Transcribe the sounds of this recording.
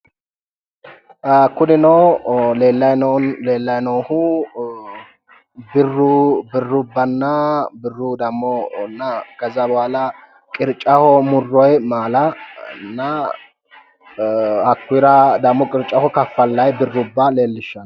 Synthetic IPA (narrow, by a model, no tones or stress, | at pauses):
kʊd̪ɪnɔwleːlːɐjnnle̞ːlːɐjnoːhʊ | bɪrːʊbɪrːʊbːɐnːɐbɪrːʊd̪ɐmːɔnːɐɡ̥ɐzɐbwalɐ | kʼɪɾt͡ʃʼːɐhɔmʊrːɔjmaːlɐnːɐ | hɐkːʊjɾɐd̪ɐmːɔkʼɪɾt͡ʃʼːɐhɔkɐfːɐlːɐjbɪrːʊbːɐle̞ːlːɪʃːɐn